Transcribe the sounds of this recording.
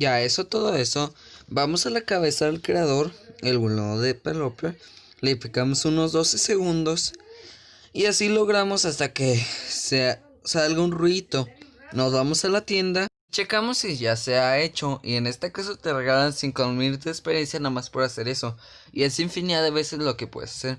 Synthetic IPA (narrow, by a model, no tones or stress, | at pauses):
ʝae̞so̞t̪oðoe̞so̞bamo̞salakaβe̞saðe̞lkɾe̞að̞o̞ɾe̞lβuloðepelopeɾ | lepikamo̞suno̞zðo̞se̞se̞ɣund̪o̞s | iasilo̞ɣɾamo̞sast̪akese | salɣaunrwit̪o̞nozβamo̞salat̪je̞nd̪a | t͡ʃe̞kamo̞siʝase̞ae̞t͡ʃo̞ʔḭe̞ne̞st̪ekasot̪ereɣalansiŋkolmiɾt̪̬eːkspeɾje̞nsjanamaspoɾase̞ɾe̞so̞ | ie̞siɱfiniaðaβe̞se̞zlo̞ke̞pwḛðḛsḁse̞ɾ